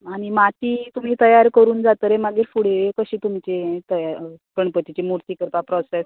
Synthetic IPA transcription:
aɽ̃imat̪iːt̪um̤iːt̪əjaɾkəɾuːnd͡zat̪əɾemaɡiːɾfuɽ̤eekəɕiːt̪um̤t͡ɕet̪əjaɾpəɳpət̪it͡ɕemuɾt̪ikəɾpapɾɔses

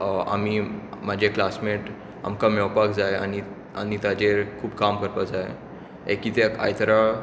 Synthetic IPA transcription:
a̰mimad͡ʑʱeklasmeʈ | a̰mkamɔwpakd͡zaja̰ñi | anit̪ad͡ʑeɾkʰuːpkamkəɾpad͡zae | ḛkiːt̪ea̰jt̪əɾa

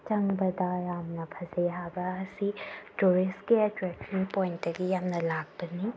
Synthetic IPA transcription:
t͡ʃɐŋbɐdɐjamnɐpʰɐzeɦabɐːsituɾistkiɐtɾɛkʃɐnpojntdɐɡijamnɐlak̚pɐni

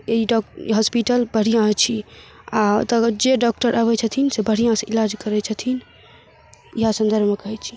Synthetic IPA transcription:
eiɖɔɦɔspiʈəlbəɽ̤ijãt͡ʃʰi | at̪əd͡ʒeɖɔk̚ʈəɾʔəβɛt͡ʃʰət̪ʰinsebəɽ̤ijãsəilad͡ʒkəɾɛt͡ʃʰət̪ʰin | iɦasə̃nd̪əɾbʱmekəɦɛt͡ʃʰi̥

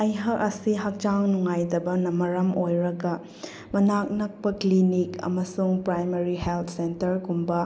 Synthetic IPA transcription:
ɐjɦɐkɐsiɦɐk̚d͡ʒaŋnuŋajdɐbɐnɐmɐɾɐmojɾɐɡɐ | mɐnak̚nɐk̚pɐklinikɐ̰mɐsuŋpɾajmɐɾiɦelt̪ʰsentɐɾɡumbɐ

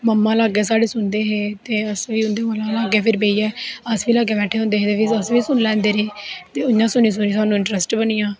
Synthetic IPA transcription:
məmːãːlaːɡɛːs̬aːɽeːsʊnd̪eːɦeːt̪eːəsʋiːʊnd̪eːəlãːlaːɡɛːpʰɪɾbeiːɛːəsʋiːlaːɡeːbɛːʈʰːeːɦõːnd̪eːɦeːt̪eːpɪəsʋiːsʊnlɛ̃ːnd̪eːɾeːt̪eːʊjãːsʊnĩːs̬ʊniːaːnũɪ̃ɳʈɾəsʈbəniːãː

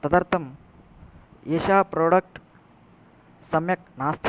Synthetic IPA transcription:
t̪ɐd̪ɐɾt̪ʰɐm | eːʃaːpɾoːɽɐk̚ʈ | sɐmjɐk̚naːst̪ʰ

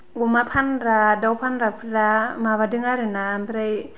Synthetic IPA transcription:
womapʰanɾadawpʰanɾapʰɯɾamaβadɯŋaɾɯnampʰɾaj

